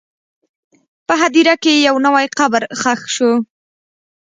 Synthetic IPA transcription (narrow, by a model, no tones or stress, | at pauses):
pəɦad̪iɾakejawnawajqabəɾxaxʃo